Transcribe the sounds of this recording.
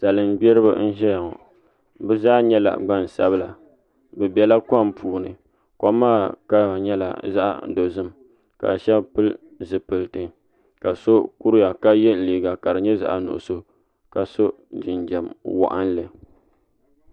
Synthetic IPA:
sa˨lɨ˨mbɛ˦ɾɨ˦bɨ̰˦n̩˦ʒɛ˦ja˨ŋɔ̰˨ | bɛ˦zaː˦ɲɛ˦la̰˨ɡ͡ba˦n˨sa˦bɨ˦la˨ | bɨ˨bɛ˨la˦ka˦˨mpuː˨nɨ̰˨ | kɔ˦maː˦˨ka˦˨ɲɛ˦la̰˨za̰˦ʔa̰˦˨˦do˨zɨ˦m | ka̰˨ʃɛ˦bpɨ˦l | zɨ˨pɨ˨ltɨ˨ | ka˨so˦ku˦ɾja˨ka˦jɛ˦liː˨ɡa˨ka˨ɾɨ˨ɲɛ˦za̰˨ʔa˨nʊ̰˨ʔʊ̰˨so˦ | ka˨so˦ | d͡ʒɪ˨nd͡ʒɛ˨mwɔ̰˨ʔa̰˦n˦lɨ˨

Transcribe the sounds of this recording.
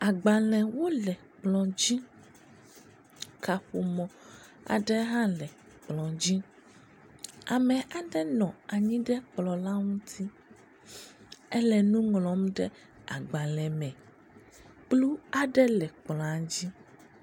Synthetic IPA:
a˨ɡ͡ba˨lɛ̃˨wo˦lɛ˨ | k͡plɔ̃˨d͡ʑi˦ | kʰa˨ɸo˨mɔ̃˨ | a̰˨ɖɛ˦ɦã˦lɛ˨ | k͡plɔ̃˨d͡ʑi˦ | a˨mɛ˨ʔa˨ɖɛ˦nɔ̃˨a˨ɲĩ˦ɖɛ˦k͡plɔ˨la˦ŋũ˦t̪ʰi˦ | ɛ˦lɛ˨nũ˦ŋlɔ̃˨m˦ɖɛ˦ | a̰˨ɡ͡ba˨lɛ̃˨mɛ̃˨ | k͡plu˦a˦ɖɛ˦lɛ˨k͡plɔ̃˨a˨d͡ʑi˦

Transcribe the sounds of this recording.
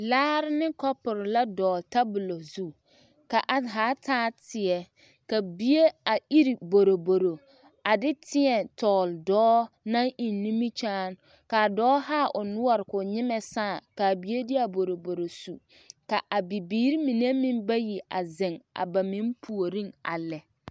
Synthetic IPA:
laː˦ɾɪ˦nɪ˦kɔ˦pʊ˨ɾɪ˨la˦dɔː˨lta˦bʊ˨lo˨zu˦ | ka˨ʔa˨ɦaː˨˦tʰaː˦tɪ˨ɛ˨ | ka˨bi˦je˦a˨i˦ɾi˨bo˨ɾo˨bo˨ɾo˨ | a˨dɪ˦tʰɪ˦ɛ˨tɔː˨ldɔː˦na˦ŋi˨nːi˦mi˦t͡ʃaː˦n | ka˨dɔː˦haː˦˨ʔʊ˨nʊ˦ɔ˨ɾɪ˨kʊ˨ɲɪ˦mɛ˨saː˦˨ka˨bi˨˦e˦dɪ˦a˨bo˨ɾo˨bo˨ɾo˨su˨ | ka˨ʔa˨bi˨biː˨˦ɾi˦mi˨ne˦mɪ̃˦nba˦ji˨ʔa̰˨zɪ˨ŋa̰˨ba˨mɪ̃˦npʰu˨o˨ɾĩ˦ŋa̰˨lɛ˨

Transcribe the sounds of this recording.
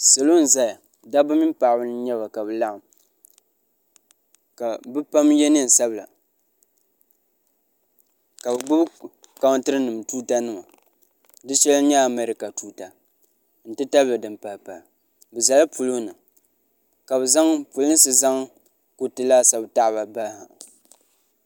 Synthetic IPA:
sa˨lo˦n̩˨za˦a˨ | da˦bɨ˦mi˦m˦pa˨ʔbɨ˦n˦ɲɛ˦βa˨ka˨bɨ˨la˦ʔ | ka˨bɨ˦pa˦mjɛ˦nɨ˦˨n˨sa˦bla̰˨ | ka˨bɡ͡bʊ˦b | ka˦wtɨ˦ɾɨ˦nɨ˨mtuː˦ta˦nɨ˦ma˨ | dɨ˦ʃɛ˦lɲɛ˦a˨mɛ˦ɾɪ˨ka˨tuː˦ta˨ | n̩˨tɨ˦ta˦ba˨dɨ˨mpa˨lpa˨ | bɨ˨za˨la˦pu˨lʊ˦nɨ˨ | ka˨bɨ˨za˦ŋpu˨lɨ˦n˦sɨ˦za˦ŋ | ku˨˦tɨ˦la˦sa˦bta˦ʔba˨ba˦ha˨

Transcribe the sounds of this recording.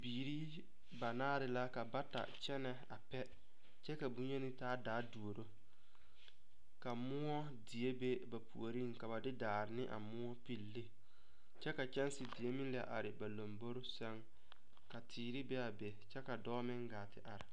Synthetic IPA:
biː˨ɾi˦ | ba˨naː˦ɾɪ˨la˦ka˨ba˦ta̰˨t͡ʃɛ˦nɛ˨a˨pɛ˦ | t͡ʃɛ˦ka˨bu˦ɲ˦e˦nɪ˦taː˦daː˨˦du˨o˨ɾo˦ | ka˨mʊ˦ɔ˦ | dɪ˨e˦be˦ba˨pṵ˨o˨ɾi˦ŋ˨ka˨ba˨dɪ˦daː˨ɾɪ˨nɪ˦ʔa̰˨mʊ˦ɔ˦pi˦lːi˦ | t͡ʃɛ˦ka˨t͡ʃɛ˦n˦sɪ˨dɪ˨e˦mɪ˦lɪ˦a̰˨ʔa˨ɾɪ˨ba˨lo˨mbo˦ɾʊ˦sɛ˦ŋ | ka˨tʰiː˨ɾɪ˦bɛ˦a˨be˨t͡ʃɛ˦ka˨dɔː˦mɪ˦ŋɡaː˨tɪ˨ʔa˨ɾɪ˨

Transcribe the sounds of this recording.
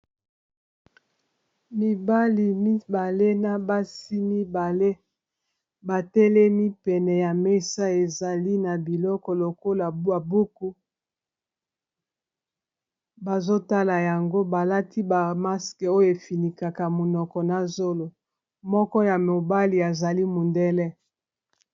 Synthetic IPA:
mi˨ba˦li˨mi˦ba˨le˦na˨ba˦si˦mi˦ba˨le˦ | ba˨tɛ˦lɛ˦mi˦pɛ˨nɛ˨ja˨me˦sa˦e˨za˨li˦na˨bi˨lɔ˦kɔ˨lo˨ko˦la˨ba˨bu˦ku˦ | ba˨zo˦ta˦la˨ja˨ŋɡo˦ba˨la˦tʰi˦ba˨ma˦skɛ˨o˦jo˦e˨fi˨ni˨ka˨ka˨mo˨nɔ˨kɔ˨na˨zo˦lo˨ | mɔ˦kɔ˦ja˨mo˨ba˦li˨a˨za˨li˦mo˨ndɛ˦lɛ˦

